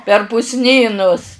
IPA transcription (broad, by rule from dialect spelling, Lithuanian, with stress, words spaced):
pʲɛr pʊsʲˈnʲiːnʊs